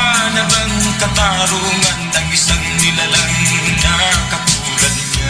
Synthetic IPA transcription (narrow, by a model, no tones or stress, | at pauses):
anɐbɐŋkɐt̪aɾuŋɐnɐŋɪsaŋnɪlalaŋnakɐt̪uːlɐd̪